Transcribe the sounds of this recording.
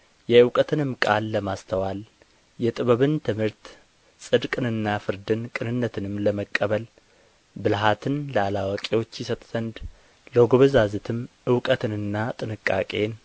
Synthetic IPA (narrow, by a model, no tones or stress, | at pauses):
jɛɨwkʼət̪ʰɨnɨmkʼalːəmast̪ʰəwal | jɛt̪ʼɨβəβɨnt̪ʰɨmhɨɾt̪ | sʼɨd̪kʼɨnɨnːafɨɾd̪ɨnkʼɨnɨnːət̪ʰɨnɨmləməkʼːəβəl | bɨlɦat̪ʰɨnləalawakʼewo̞t͡ʃːjɪsət̪ʼz̥ənd̪ | ləɡoβəzazɨt̪ʰɨmʔɨwkʼət̪ʰɨnɨnːat̪ʼɨnɨkʼːa̰kʼe̞n